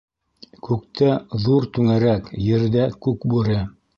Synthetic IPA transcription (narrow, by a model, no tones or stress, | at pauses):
kʉkt̪ʰæðuɾt̪ʉŋæɾækjɘ̆ɾðækʉk̚bʉɾɘ